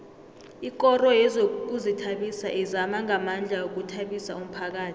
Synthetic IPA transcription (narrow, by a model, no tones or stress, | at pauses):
ik̬ʼɔrɔjɛzok̬uzitʰaɓisa̰ʔizamaŋamand͡ɮʱaok̬utʰaɓisa̰um̩pʰak̬aːtʰi̥